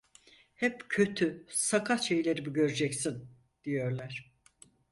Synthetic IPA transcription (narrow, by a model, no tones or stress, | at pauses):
hɛpcʰø̞t̪ʰysakʰaʃe̞jlʲeɾibiɟø̞ɾyd͡ʒɛcsin | d̪̥ijo̞ɾlˠaɾ̥